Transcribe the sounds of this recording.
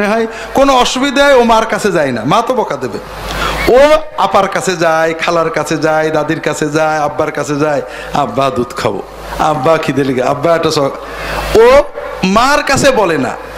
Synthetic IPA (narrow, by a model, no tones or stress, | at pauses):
eɦɔj | konoɔʃubid̪ʱaeomaɾkat͡ɕʰed͡ʑajnamãt̪obɔkad̪ebe | oapaɾkat͡ɕʰed͡ʑajkʰalaɾkat͡ɕʰed͡ʑajd̪ad̪iɾkat͡ɕʰed͡ʑajabːaɾkat͡ɕʰed͡ʑaj | a̰bːad̪ud̪kʰa̰bo̰ | abːakʰid̪eliɡea̰bːaɛk̚ʈːasɔ | omaɾkat͡ɕʰebɔlena̰